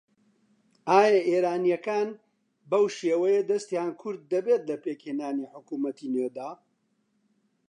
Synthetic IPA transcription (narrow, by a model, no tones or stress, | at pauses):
aːjɐʔeːɾaːnijɐkaːn | bɐwʃeːwɐjɐd̪ɐst̪jankʰʊɾd̪ːɐbet̪lɐpeːkheːnaːniħʊkuːmɐt̪ined̪aː